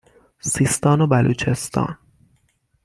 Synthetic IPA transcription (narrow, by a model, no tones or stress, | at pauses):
siːst̪ɒːnobælʔuːt͡ʃʰe̞st̪ʰɒ̰ːn